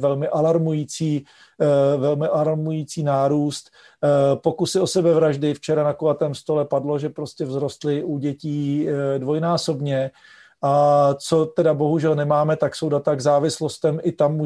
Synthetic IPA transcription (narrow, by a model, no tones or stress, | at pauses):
vɛlmɪʔalaɾmujiːt͡siː | vɛlmɪʔalaɾmujiːt͡siːnaːɾuːst̪ | po̞kusɪo̞sɛbɛvɾaʒdɪft͡ʃɛɾanakovat̪ɛːmst̪o̞lɛpadlo̞ʒɛpɾo̞scɛvzɾo̞st̪lɪʔuɟɛciːdvo̞jnaːso̞bɲɛ | ʔat͡so̞t̪ɛdabo̞ɦuʒɛlnɛmaːmɛt̪akso̞wdat̪aɡzaːvɪslo̞st̪ɛmʔɪt̪amːu